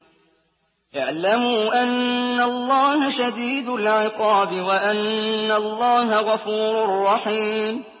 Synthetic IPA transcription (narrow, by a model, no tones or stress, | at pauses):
jaʕlamuːʔanːalˤːɑːhaʃad̪iːd̪ʊlʕɪqɑːbɪwaʔanːalˤːɑːɦaɣɑfuːɾʊrˤːɑħiːm